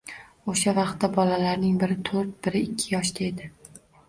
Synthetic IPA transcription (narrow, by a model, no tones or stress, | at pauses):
oʃavɑqt̪ːabɒlalaɾnɪŋbɪɾɪt̪ʰɵɾt̪̚bɪɾɪɪkʲʰːɪjɒʃd̪ae̞d̪ɪ